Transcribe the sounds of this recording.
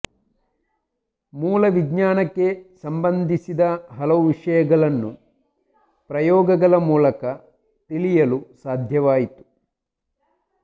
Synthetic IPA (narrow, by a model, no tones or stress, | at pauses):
muːlɐʋiɡɲaːnɐkːe̞sɐmbɐnd̪ʱisid̪ɐɦɐlɐʋuʋiʂɐjɐɡɐɭɐnːu | pɾɐjɔːɡɐɡɐlɐmuːlɐkɐ | t̪ilijɐlusaːd̪ʱjɐʋaːjit̪u̥